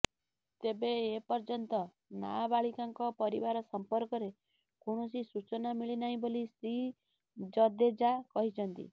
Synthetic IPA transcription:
t̪ebeːpɔɾd͡ʒɔnt̪ɔ | na̰baɭikaŋkɔpɔɾḭbaɾɔsɔmpɔɾkɔɾe | koɽ̃ɔsisut͡ʃɔnamiɭinaɦĩbolisɾi | d͡ʒɔd̪ed͡ʒakɔɦit͡ʃʰɔnt̪ḭ

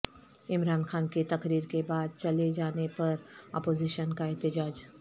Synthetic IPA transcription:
ɪmɾaːnxaːnket̪ɐkɾiːɾkebaːd̪̚t͡ʃɐled͡ʒaːnepɐɾɔ̰ːpoːziːʃənkaɛɦt̪ɪd͡ʒaːd͡ʒ

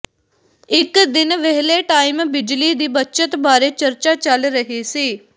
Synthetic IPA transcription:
ɪkd̪ɪnʋɛɦleːʈaːɪmbɪd͡ʒliːd̪iːbətːt͡ʃət̪baːɾeːt͡ʃəɾt͡ʃaːt͡ʃəlɾəɦiːsiː

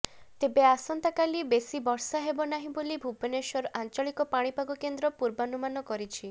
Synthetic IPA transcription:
t̪ebeasɔnt̪akalibesibɔɾsaɦebɔnaɦĩbolibʱubeneʃɔɾʔant͡ʃaɭikɔpaɽ̃ipaɡɔkend̪ɾɔpuɾbanumanɔkɔɾit͡ʃʰi

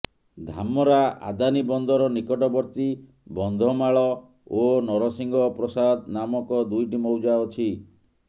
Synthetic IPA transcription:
d̪ʱamɔɾaʔa̰d̪anibɔnd̪ʱɔɾɔnikɔʈɔbɔɾt̪i | bɔnd̪ʱɔmaɭɔ | onɔɾɔsiŋɡɔpɾɔsad̪namɔkɔd̪ujʈimowd͡ʒaɔt͡ʃʰi

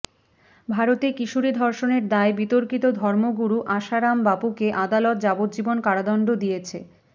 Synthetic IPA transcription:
bʱaɾot̪ekiʃuɾid̪ʱɔɾʃoneɾd̪aebit̪oɾkit̪od̪ʱɔɾmoɡuɾuʔaʃaɾambapukeʔad̪alɔt̪̚d͡ʑabot̪̚d͡ʑibonkaɽad̪ɔɳɖod̪ijet͡ɕʰe

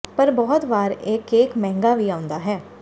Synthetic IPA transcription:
pəɾbɔːt̪ʋaːɾɪkeːkmɛ̃ːŋɡaːʋiːãːʊ̃nd̪aːɦɛː

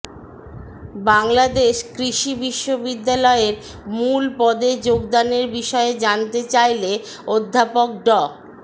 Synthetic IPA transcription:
baŋlad̪eʃkɾiʃibiʃːobid̪ːalɔeɾ | mulpɔd̪ed͡ʑoɡd̪aneɾbiʃɔed͡ʑant̪et͡ɕajle | od̪ʱːapok̚ɖɔ

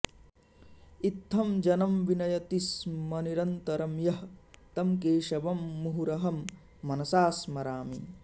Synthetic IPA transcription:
it̪ʰːɐmd͡ʒɐnɐmʋinɐjɐt̪ismɐniɾɐnt̪ɐɾɐmjɐht̪ɐmkeːʃɐʋɐmːuɦuɾɐɦɐmː | ɐnɐsaːsmɐɾaːmḭ

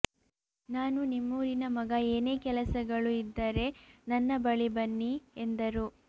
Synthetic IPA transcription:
naːnunimːuːɾinɐmɐɡɐeːne̞ːkɛlɐsɐɡɐɭuid̪ːɐɾe̞nɐnːɐbɐɭibɐnːiend̪ɐɾu

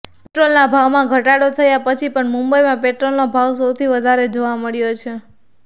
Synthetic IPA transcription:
peʈɾolnabʱaʋmãɡʱəʈaɽot̪ʰəjapət͡ʃʰipəɳmũmbəjmãpeʈɾolnobʱaʋsəwt̪ʰiʋəd̪ʱaɾed͡ʒoʋaməɭjot͡ʃʰe

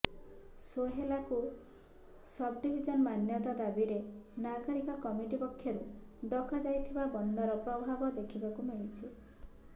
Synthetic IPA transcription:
soɦelaku | sɔbɖibʱid͡ʒɔnɔmanjɔt̪ad̪abiɾenaɡɔɾikakɔmiʈipɔkʰːjɔɾuɖɔkad͡ʒajt̪ʰibabɔnd̪ɔɾɔpɾɔbʱabɔd̪ekʰibakumeit͡ʃʰi

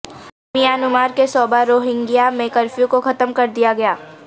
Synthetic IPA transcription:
mijaːnʊmaːɾkesɔːbaɾoːɦɪ̃ŋɡijamẽkɐɾfjũkoxɐt̪əmkɐɾd̪ijaɡɐjaː

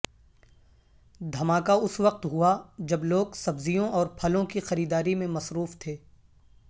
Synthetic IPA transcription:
d̪ʱɐmaːkaʊsʋɐq̚t̪ɦuad͡ʒɐbloːɡsɐbzijõʔɔːɾpʰɐlõkixɐɾiːd̪aːɾimẽmɐsɾuːft̪ʰeː

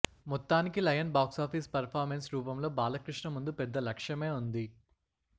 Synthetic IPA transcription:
mɔt̪ːaːnikilɐjɐnbaːksaːpʰiːspɐɾpʰaːɾmensɾuːpɐmlo̞ːbaːlɐkɾiʂɳɐmund̪upɛd̪ːɐlɐkʂjɐme̞ːund̪i

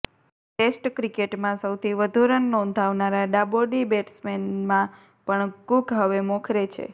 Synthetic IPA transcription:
ʈesʈkɾikeʈmãsəwt̪ʰiʋəd̪ʱuɾənːɔ̃nd̪ʱaʋnaɾaɖaboɖibeʈsmenmã | pəɳkuɡɦəʋemɔkʰɾet͡ʃʰḛ

